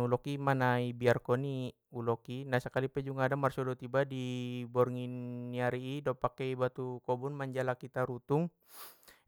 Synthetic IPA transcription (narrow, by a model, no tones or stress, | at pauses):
ulɔkimanaibiarkɔni | ulɔkinahsəkalipɛd͡ʒuŋadamarsɔdɔt̪ibadibɔrŋinːiaɾiːdɔpakɛjbat̪ukɔbunmaɲd͡ʒalakit̪aɾut̪uŋ